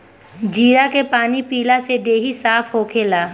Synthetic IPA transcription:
d͡ʒiːɾakepaːnipiːlased̪eːɦisaːfʰɦoːkʰeːlaː

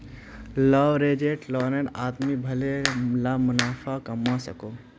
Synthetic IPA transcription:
ləʋɾeːd͡ʒeːʈlɔːneɽaːt̪mibʱɐlelamʊnaːfʰakɐmasɐkoː

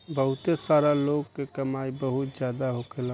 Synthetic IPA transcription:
bəɦʊt̪esaːɾaloɡkekəmaibəɦut̪d͡ʒjaːd̪aɦokelã

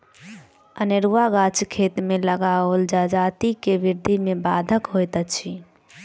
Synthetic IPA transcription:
əneɾuaɡat͡ʃkʰet̪meləɡaold͡ʒad͡ʒat̪ikebiɾd̪ʱimebad̪ʱəkɦojt̪ət͡ʃʰi

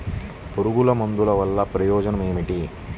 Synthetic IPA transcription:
poɾuɡulɐmond̪ulɐʋɐlːɐpɾɐjɔːd͡ʒɐnɐme̞ːmiʈi

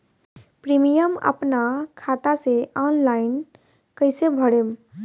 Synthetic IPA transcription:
pɾimijəmə̰pnakʰat̪aseʔɔnlain | kəɪsebʱəɽem

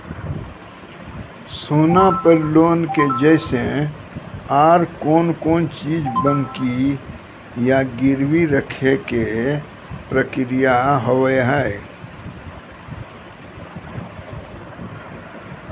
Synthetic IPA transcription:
soːnapəɾloːnked͡ʒəsẽ | aːɾkoːnkoːnt͡ʃiːd͡ʒbə̃nki | jaɡɪɾwiɾəkʰeke | pɾəkɾijaɦəwjɦae

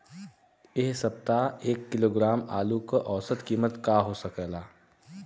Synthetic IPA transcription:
eɦsəp̚t̪aeːkːɪloːɡɾaːma̰ːlukəʔɔːsət̪kiːmət̪kaɦosəkɛːlaː

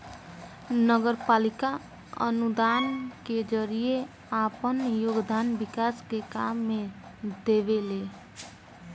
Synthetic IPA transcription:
nəɡəɾpalika | ə̰nud̪anked͡ʒəɾije | apənjoɡd̪anbikaskekamːe | d̪ebele

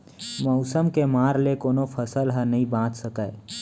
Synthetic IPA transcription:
məʊsəmkemaːɾlekoːnopʰəsəlɦənəĩbãːt͡ʃ̪səkəj

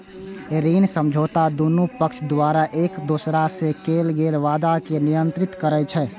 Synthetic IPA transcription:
ɾiːnsəmd͡ʒʱoːt̪ad̪unupəkt͡ʃʰd̪waːɾaʔeːkd̪osɾasekeːlɡeːlʋaːd̪akenijənt̪ɾɪt̪kəɾɛt͡ʃʰɛ

